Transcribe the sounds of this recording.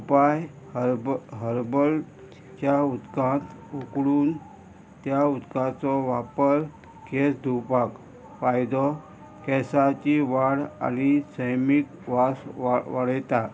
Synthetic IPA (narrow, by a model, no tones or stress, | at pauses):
upaj | ɦəɾbəl | t͡ɕaut̪kãnt̪ | ukɽuːn | t̪jaut̪kãt͡sɔʋapəɾ | kesd̪ʱupak | fajd̪ɔ | kɛsat͡ɕiʋaɽa̰ñisəjmik | ʋasʋaɽjt̪a